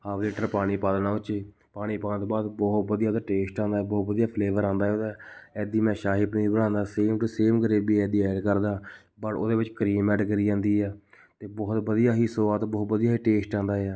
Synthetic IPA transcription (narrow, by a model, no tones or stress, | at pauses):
haːʋleːʈəɾpaːɽ̃iːpaːlənaːt͡ʃeː | paːɽ̃iːpãːnt̪baːd̪bɔːt̪̚bəd̪ijaːt̪aːʈeːsʈãːnd̪aːɛːbɔːt̪ʋəd̪ijaːpʰleːʋəɾãːnd̪aːɛoːd̪aːɛːd̪iːmɛ̃ːʃaːɦipnːibəɽãːnd̪aːseːmʈ̪uːseːmɡəɾeːbiːɛːd̪iːɛːɖkəɾd̪aː | bəɽo̰ːd̪eːʋɪt͡ʃkɾiːmɛːɖɡəɾiːd͡ʒãːnd̪iːɛː | t̪eːbɔːt̪bəd̪ijaːɦiːsoːaːt̪bɔːt̪bəd̪ijaːɦiːʈeːsʈãːnd̪aːaː